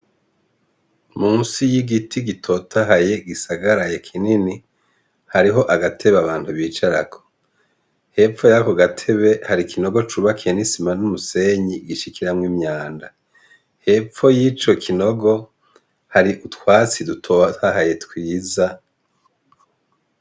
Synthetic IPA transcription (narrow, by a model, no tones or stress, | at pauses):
munsijiɡitʰiɡitʰo̞taɦaje̞ɡisaɡaɾajekʰinini | haɾiɦo̞ʔaɡatʰe̞βaβaːn̥tuβiːt͡ʃaɾakʰo̥ | he̞ːp͡ffo̞jakoɡatʰe̞βe̞haɾikʰino̞ɡo̞t͡ʃuβakʰienisimanumuseɲiɡiʃikiɾamwimɲaːnda | he̞ːp͡fo̞jiːt͡ʃo̞kʰino̞ɡo̞ | haɾiʔutwaːt͡sidutʰotaɦaje̞twiːza